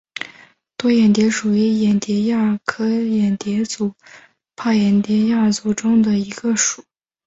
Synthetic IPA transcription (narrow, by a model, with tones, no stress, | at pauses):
t̪wɔ˥jɛ˨˩nt̪jɛ˧˥ʂu˨˩y˧˥jɛ˨˩nt̪jɛ˧˥ja˥˩kʰɤ˥jɛ˨˩nt̪jɛ˧˥t͡su˨˩˦ | pʰa˥˩jɛ˨˩nt̪jɛ˧˥ja˥˩t͡su˨˩ʈ͡ʂʊ˥ŋd̪ə˨i˧˥ɡ̥ə˧ʂu˨˩˦